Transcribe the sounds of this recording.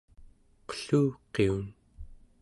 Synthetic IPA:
qə̥ɬuːqeun

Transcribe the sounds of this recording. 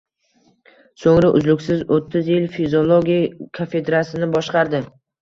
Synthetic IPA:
soŋɾaʔʊ̰zlʊkʲsɪzot̪ʰːɪzjɪlfizolˠoɡʲijakʰafe̞d̪ɾasɪnɪbɒʃqɑɾd̪ɪ

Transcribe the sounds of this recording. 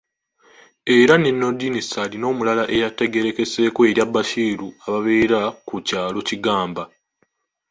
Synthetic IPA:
e̞ɾane̞nːo̞dinisalino̞ːmulalaʔe̞jate̞ɡe̞ɾe̞ke̞se̞ːkoe̞ɾjabːaʃiːɾuaβaβe̞ːɾakucaːlo̞ciɡaːmba

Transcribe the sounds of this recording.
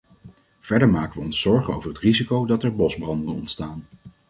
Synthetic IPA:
v̥ɛɹdəɹmaːkəʋəɔnsɔɹχəno̰wvərɦətrizikowdɑtɛɹbɔzbrɑndənɔ̰ntstaːn

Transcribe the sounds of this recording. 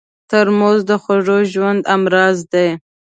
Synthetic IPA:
t̪əɾmozd̪əxoʐoʒwand̪amɾɑzd̪e

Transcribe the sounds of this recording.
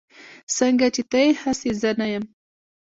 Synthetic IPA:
səŋɡat͡ʃet̪ajehasezənajəm

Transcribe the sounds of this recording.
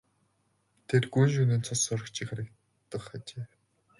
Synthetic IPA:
t̪ʰet̪ɡujnʃ̬uniːnt͡sʰɔsɔɾɞ̆kt͡ɕʰĭːkχaɾʲɪ̆k̚ | t̪ːə̆χat͡ɕeː

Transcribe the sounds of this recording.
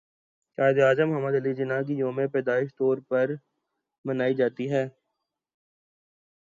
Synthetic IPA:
kaːɪd̪aːzəmʊɦəməd̪əlid͡ʒɪnak̬id͡ʒoːmepɛːd̪aːɪʃt̪ɔːɾpɐɾ | mənaːid͡ʒaːt̪iɦɛː

